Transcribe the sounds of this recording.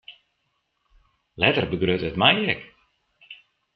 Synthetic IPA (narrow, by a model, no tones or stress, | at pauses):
lɛtərbəɡrøtətmajɛk